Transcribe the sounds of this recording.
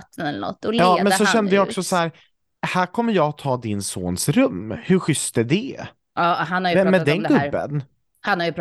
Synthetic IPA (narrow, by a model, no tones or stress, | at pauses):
t̪ːənɛlːə̰nɔ̰t̪ːɔlɑːmɛnsɔʃɛnd̪əjɑɔksɔsɔhæːɾ | hæːɾkʰɔmːəɾjɑt̪ʰːɑːd̪ɪnso̰ːnsɾɵmːhɵɾɧʏst̪ɛd̪ɛ | ɑɦanaɾjmɛmːɛd̪ɛnɡɵbːə̰n | hanhaɾjəp